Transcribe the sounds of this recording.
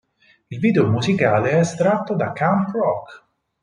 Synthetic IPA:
ilviːd̪eomuzikaːleɛst̪ɾat̪ːod̪akːant̪rɔk

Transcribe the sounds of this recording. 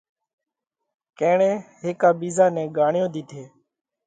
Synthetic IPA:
kẽːɳẽːɦɪːkaːbiːzaːnɛ̃ːɡaːɳɪjõːd̪iːt̪ʰeː

